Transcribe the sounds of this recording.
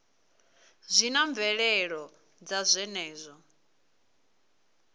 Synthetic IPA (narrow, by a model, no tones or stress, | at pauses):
zʷinaɱvɛɺɛɺɔ | d͡zazʷɛnɛːzʷɔ